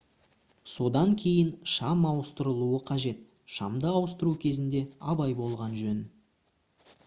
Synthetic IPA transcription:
so̞d̪ɑŋkʲʰe̞jɪnʃɑmɑwəst̪əɾəlˠuəqʰɑʒe̞t̪ | ʃɑmd̪əɑwəst̪əɾukʲʰe̞zɪnd̪e̞ɑbɑjbo̞lˠʁɑnʒɵn

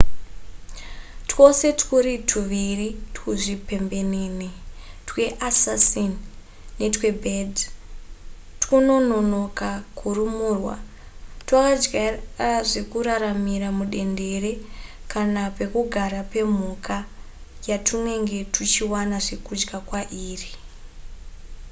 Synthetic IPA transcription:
two̞se̞tkuɾitʰuʋiritkuʐipe̞mbe̞niːnitwe̞ʔasasinː | e̞twe̞bʱed | tkuno̞no̞no̞kakʰurumuːrwa̰ | twakad͡ʒɡaʐe̞kuɾaɾamiɾamuɗe̞nde̞re̞kanape̞kuɡʱaɾape̞m̤uka | jatʰune̞ŋɡe̞tut͡ʃiwanaʐe̞kud͡ʒɡakwaʔiːri

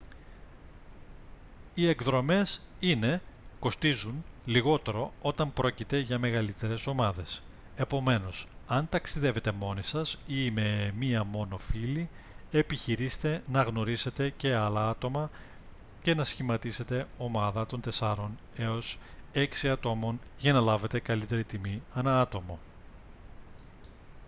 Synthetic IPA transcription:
ie̞ɡðɾo̞me̞sine̞ko̞st̪izunliɣo̞t̪e̞ɾo̞o̞t̪ɐmpɾo̞cit̪e̞ʝɐme̞ɣɐlit̪e̞ɾe̞so̞mɐðe̞s | e̞po̞me̞no̞sɐnt̪ɐksiðe̞ve̞t̪e̞mo̞nisɐsime̞miɐmo̞no̞fili | e̞piçiɾist̪e̞nɐɣno̞ɾise̞t̪e̞ce̞ɐlɐɐt̪o̞mɐ | ce̞nɐsçimɐt̪ise̞t̪e̞o̞mɐðɐt̪o̞nt̪e̞sɐɾo̞n | e̞o̞se̞ksiɐt̪o̞mo̞nʝɐnɐlɐve̞t̪e̞kɐlit̪e̞ɾit̪imiɐnɐɐt̪o̞mo̞

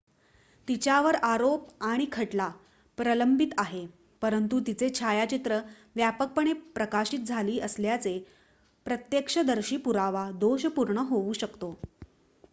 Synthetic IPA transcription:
t̪it͡ɕjaʋəɾaɾopaɽ̃ikʰəʈla | pɾələmbʱit̪aɦe | pəɾənt̪ut̪it͡set͡ɕʰajat͡ɕit̪ɾə | ʋjapək̚pəɳ̃epɾəkaɕiːt̪̚d͡zʱaliːʔəsljat͡se | pɾət̪jekʂəd̪əɾɕiːpuɾaʋad̪oɕpuɾɳəɦouːɕəkt̪o

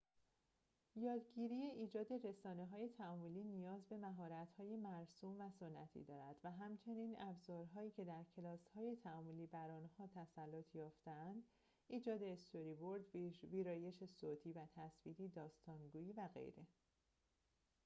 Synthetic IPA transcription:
jɒːd̪ɟiːɾiːjeʔiːd͡ʒɒːd̪e̞ɾe̞sɒːne̞ɦɒːje̞t̪ʰæɒːmoliːnijɒːzbe̞mæɦɒːɾæt̪hɒːje̞mæɾsuːmvæso̞nːæt̪ʰḭːd̪ɒːɾæd̪̥væɦæmt͡ʃʰe̞niːnæbzɒːɾɦɒːiːcʰe̞d̪æɾcʰe̞lɒːshɒːje̞t̪ʰæɒːmoliːbæɾɒːnhɒːt̪ʰæsælːot̪ʰjɒːft̪eænd̪̥ | iːd͡ʒɒːd̪e̞ːst̪ʰo̞ɾiboɾd̪viːɾɒːje̞ʃe̞soːt̪ʰiːvæt̪ʰæsviːd̪iːd̪ɒːst̪ɒːnɡuːjiːvæɣḛjɾe̞

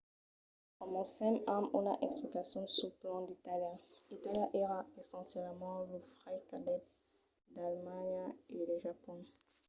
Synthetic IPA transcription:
ɔ̃mɔ̃sɛ̃mamuna̰ʔɛksplikasjɔ̃suplɑ̃d̪it̪aljãit̪aljãʔeʁaesɑ̃sjɛlmɑ̃ləfʁajkad̪ɛp̚ | d̪almaɲeləʒapɔ̃

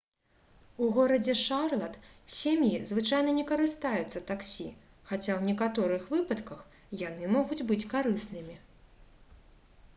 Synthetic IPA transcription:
uɣɔɾɐd͡zʲɛʂarlˠɐt̪sʲemjizvɨt͡ʂajnɐnʲɛkɐɾɨst̪ajut̪sːɐt̪aksʲi | xat͡sʲawnʲɛkat̪ɔɾɨxvɨpɐt̪kɐx | jan̪ɨmɔɣud͡zʲbɨt͡sʲkaɾɨsnɨmʲi

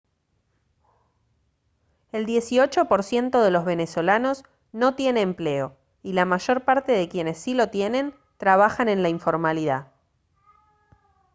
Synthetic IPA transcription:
e̞ld̪je̞siot͡ʃo̞po̞ɾsje̞nt̪o̞ðe̞lo̞zβe̞ne̞so̞lano̞s | no̞t̪je̞neːmple̞o̞ | ilamaʒo̞ɾpaɾt̪e̞ðe̞kje̞ne̞sːilo̞t̪jene̞n | t̪ɾaβ̞axanẽ̞nlaiɱfo̞ɾmaliða

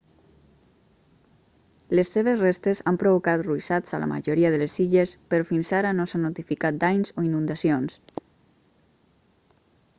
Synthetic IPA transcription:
lesːeβ̞ezrest̪ezampɾoβokat̪ruisat͡sa̰lə̰ma̰ʒoɾiaðələsiʎespəɾɔfinzaɾənosanːot̪ifikat̪̚d̪ajnzoinund̪asions

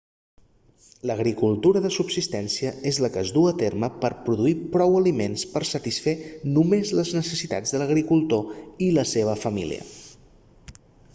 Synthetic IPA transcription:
ləɣɾikulˠt̪uɾəðəsubsist̪ɛnsiəezləkəzduət̪erməpəɾpɾuðuipɾɔwəlimenspəɾsət̪isfenumezləznəsəsit̪a̰d͡zðələɣ̞ɾikulˠt̪oiləseβ̞əfəmḭlḭə̰

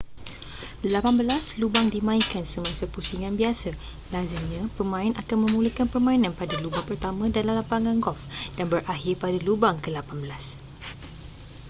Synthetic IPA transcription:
lapanbəlaslubaŋdimãiŋkansəmãsəpusiŋãnbiasa | lazəɲãpəmãinʔakanmə̃muləkanpərmãinãnpadalubaŋpərt̪amãdalamlampaŋãnɡɔfd̥anbərʔaɦirpadalubaŋkəlapanbəlas

